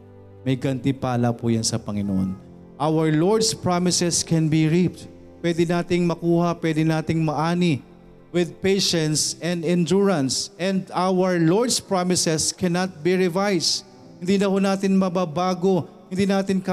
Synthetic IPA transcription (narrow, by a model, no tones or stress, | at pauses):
mɐjɡɐnt̪ɪpaːlɐpujɐnsɐpɐŋɪno̰ʔo̰n | ʔawɐɹloɹd̪spɹamɪsɛskɛnbiɹip̚t̪ | pːwɛd̪ɪnaːt̪ɪŋmɐkuːhɐpwɛd̪ɪnaːt̪ɪŋmɐʔaːni | wɪd̪̚pejʃɛ̃nt̪sɛ̃nd̪ɪnd͡ʒuɹɐ̃nsʔɛ̃nd̪awɐɹloɹd̪spɹamɪsɛskɛnɐt̪̚biɹɪvajs | hɪnd̪iːnɐhonaːt̪ɪnmɐbabaːɡo̞hɪ̃nd̪iːnaːt̪ɪnka